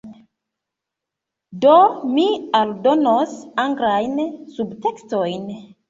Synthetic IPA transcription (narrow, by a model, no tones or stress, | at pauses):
domialdo̞nosaŋɡɾajnsubtekstojn